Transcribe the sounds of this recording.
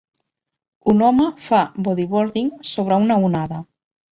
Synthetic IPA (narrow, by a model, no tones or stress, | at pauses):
unɔməfaboðiβoɾðiŋsoβ̞ɾaunaunaða